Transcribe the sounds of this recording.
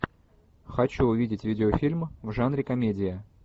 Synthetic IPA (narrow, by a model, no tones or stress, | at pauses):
xɐt͡ɕuʊvʲidʲɪtʲvʲidʲɪofʲilʲmvʐanɾʲɪkɐmʲedʲɪjə